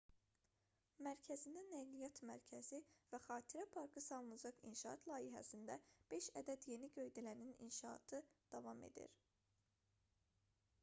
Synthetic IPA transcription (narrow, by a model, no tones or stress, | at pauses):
mæɾcʰæzind̪ænæjlijɑt̪mæɾcʰæzivæχɑːt̪ʰiɾæpʰɑɾkʰɯsɑlˠnɑd͡ʒɑkḭnʃɑɑ̰t̪ʰlˠɑːiɦæ̰sind̪æb̥e̞ʃæd̪æd̪je̞niɟø̞jd̪ilæninḭnʃɑːt̪ʰɯd̪̥ɑvɑmḛd̪ḭɾ